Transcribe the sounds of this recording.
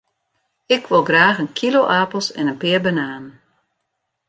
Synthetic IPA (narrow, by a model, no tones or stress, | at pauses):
ɪkʰʋolˠɡraːxənkʰiloʔaːpəl̩ˠsɛ̰nənpɪːərbənaːn